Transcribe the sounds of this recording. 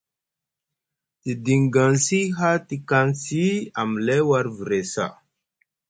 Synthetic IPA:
ti˨di˨ŋɡa˨nsi˦ɦa˦ti˦ka˦nsi˦a˨m˨le˦wa˦ɾvi˨ɾe˨sa̰˦˨

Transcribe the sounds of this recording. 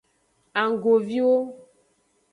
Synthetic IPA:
a˨ŋ˨ɡo˨vi˦wo˦

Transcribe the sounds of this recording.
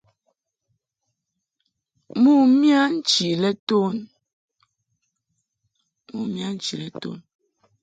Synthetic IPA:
mu˦mja˦n̩˦t͡ʃi˨lɛ˦to˦n | mu˦˨mja˦n̩˦t͡ʃi˨lɛ˦to̰˦n

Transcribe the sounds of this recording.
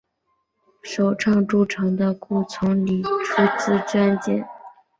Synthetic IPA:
ʂo˨˩ʊʈ͡ʂʰɑ˥˩ŋʈ͡ʂu˥˩ʈ͡ʂʰɤ˧˥ŋd̪ə˧ku˥˩t͡sʰʊ˧˥ŋli˨˩ʈ͡ʂʰu˥t͡sɹ̩˥t͡ɕa˥˧nt͡ɕjɛ̰˥˩n

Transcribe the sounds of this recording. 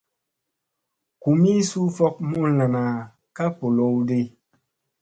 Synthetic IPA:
ku˨mi˦su˦fɔ˦k̚mu˦n˦la˨na˨ | ka˦po˨lo˦wde˦

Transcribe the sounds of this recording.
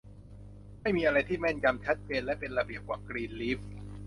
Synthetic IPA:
ma˥˩jmiː˧ʔa˧ɾa˧jt̪ʰiː˥˩mɛ˥˩nja˧mt͡ɕʰɛ˦˥t̪̚peː˧nlɛ˦˥ʔpe˧nɾa˧bi˨˩əp̚kwaː˨˩kɾiː˧nli˦˥f̚

